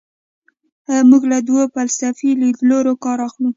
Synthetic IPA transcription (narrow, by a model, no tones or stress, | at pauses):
muɡlad̪wopalsafilid̪loɾokɑɾɑxlu